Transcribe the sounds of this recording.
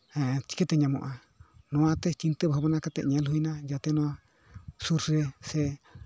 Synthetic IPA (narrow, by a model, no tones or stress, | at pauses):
ɛt͡ʃi̥kɛt̪ɛɲamɔ̰ʔa | nɔ̃at̪ɛt͡ʃint̪ɛbaɦabanakat̪ɛ̰ʔɲɛ̃lɦujnad͡ʒat̪ɛnɔ̃a | suɾɾɛsɛ